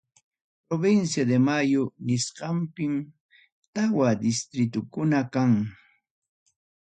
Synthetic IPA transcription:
pɾoβɪnsjad̪emajʊnɪsqɑmpɪm | t̪awad̪ɪst̪ɾɪt̪̬ʊkʊnakaŋ

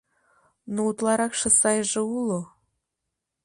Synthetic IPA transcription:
nout̪lˠɑɾɑkʃɤ̆sɑjʒĕulo

